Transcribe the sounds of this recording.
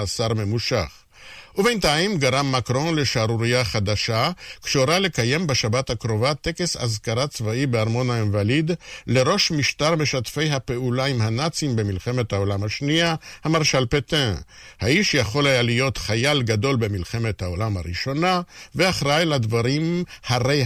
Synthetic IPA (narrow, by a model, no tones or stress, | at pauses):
asaʁme̞muʃaχ | ʔubent̪ajmɡaʁamːakʁo̞nle̞ʃaɾuɾijaχad̪aʃakʃeoɾale̞kaje̞mbeʃabathakʁo̞vat̪e̞kesa̰zkaɾat͡svaibeaʁmo̞naenvalid̪le̞ʁo̞ʃmiʃtaʁme̞ʃatfe̞jɦape̞ulaimhanat͡simbe̞milχe̞me̞t̪hao̞lamhaʃniahamaʁʃalpet̪ẽhaiʃjaχo̞lajalijo̞t̪χajalɡad̪o̞lbe̞milχe̞me̞t̪hao̞lamhaʁiʃo̞naveaχʁajlad̪vaɾimhaʁej